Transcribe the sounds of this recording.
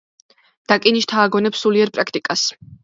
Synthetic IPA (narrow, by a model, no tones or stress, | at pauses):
d̪̥akʼiniʃt̪ʰaːɡɔnɛpsuliɛɾpʼɾakʰt̪ʼikʼas